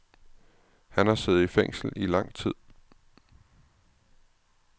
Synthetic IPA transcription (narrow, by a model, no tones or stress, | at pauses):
hænhɑ̈se̝ːð̩ˠifeŋ̰sl̩ilɑ̈ŋ̰t͡sʰið̰ˠ